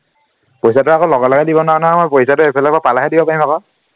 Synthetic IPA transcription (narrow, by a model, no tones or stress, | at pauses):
pojsatʊakɔlɔɡɔlɔɡɛdibɔnwanɔmɔjpojsatʊepʰɛlakbapalaɦɛdibɔpaɹĩmakɔ